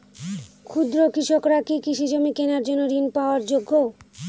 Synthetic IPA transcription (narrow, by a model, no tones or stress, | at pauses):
kʰud̪ɾokɾiʃokɾakikiʃid͡ʑomikenaɾd͡ʑonːoɾinpaoaɾd͡ʑoɡːo